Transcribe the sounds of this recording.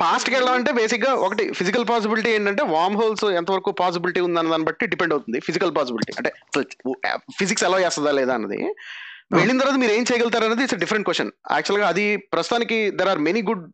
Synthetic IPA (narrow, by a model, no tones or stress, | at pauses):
paːsʈkɛɭːɐɽamɐɳʈe̞ːbe̞ːsikɡaːʔokɐʈipʰizikɐlp̬aːs̬ibiliʈie̞ːɳʈɐɳʈe̞ːʋaːmɦoːlsɛnt̪̬ɐʋɐɾɐkuːpaːs̬ibiliʈiːund̪anɐd̪aːnibɐʈːiɖipeɳɖɐwt̪und̪ipʰizikɐlpaːs̬ibiliʈḭːɐɳʈe̞ːɐsɐl̰pʰiziksɛlaːd͡ʒɛːst̪ɐd̪aːlɛːd̪aːnːɐ̰d̪ḭʋeɭːint̪ɐɾʋaːt̪ɐmiːɾe̞ːmt͡ʃɛjɐɡɐlt̪̬aːɾɐnːɐːd̪isɐɖifʰɐɾeɳʈ̚kʋeʂʈjɐ̰næ̰ːk̚t͡ʃuɐlɡaːɐd̪ipɾɐst̪ut̪aːnikid̪ɐɾaːɾmeniːɡuɖ